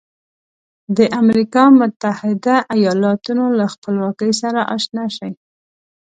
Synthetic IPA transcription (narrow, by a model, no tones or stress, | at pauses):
d̪əʔamɾikɑmʊt̪ahɪd̪aʔajɑlɑt̪unolaxpəlwɑkəjs̬aɾaʔɑ̰ʃnɑʃaj